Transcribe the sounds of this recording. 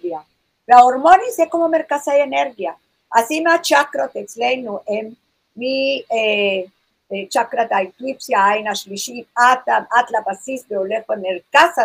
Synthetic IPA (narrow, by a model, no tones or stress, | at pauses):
ja | laoɾmonisekomomeɾkasajeneɾɣja | asimat͡ʃakɾot̪ekslenuʔemː | ie | t͡ʃakɾat̪aeklipsjaajnaʃliʃit̪̚at̪aat̪lapasisbeoleχoeneɾkasa